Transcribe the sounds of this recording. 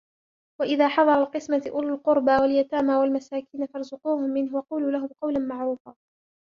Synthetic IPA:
waʔɪðaːħɑðˤɑɾˤɑlqɨsmaʔʊlʊlqʊɾbawaljat̪aːmaːwalmasaːkiːnafɑɾˤzʊquːhʊmːɪnɦʊwɑquːluːlaɦʊmqɑwlanmaʕɾuːfaː

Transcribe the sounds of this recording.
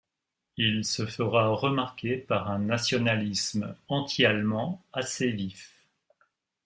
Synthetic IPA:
ilsəfəʁaʁəmaʁkʲepaʁɛ̃nasjɔnalismɑ̃t̪ʰialmɑ̃asevif

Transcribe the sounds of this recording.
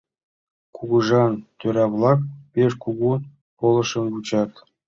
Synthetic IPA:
kuɡuʐɑnt̪ʲøɾʲɑvlˠɑkpʲeʂkuɡu | polˠɤ̆ʂɤ̆nbut͡ɕɑt̪

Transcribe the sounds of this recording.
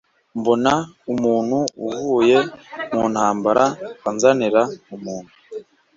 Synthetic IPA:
mbonaumuːn̥huuvuːje̞muːnhaːmbaɾaanzaniɾaumuːn̥hu

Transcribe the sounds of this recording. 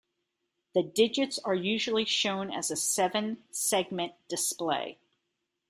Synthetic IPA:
ðɨdɪd͡ʒɨtsə˞jʉʒl̩ˠiʃõʊ̃nɨ̰zɨsɛvɨ̃nsɛɡ̚mɨ̃nd̥ɨspleɪ

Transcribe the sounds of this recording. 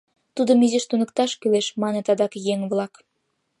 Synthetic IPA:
t̪ud̪ə̆myzeʃt̪unɤ̆kt̪ɑʃkyleʃmɑnĕt̪ɑd̪ɑkjeŋβlˠɑk

